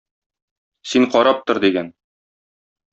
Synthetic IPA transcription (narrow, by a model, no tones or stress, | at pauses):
siɴqɒɾɑp̚t̪ŏɾd̪iɡæn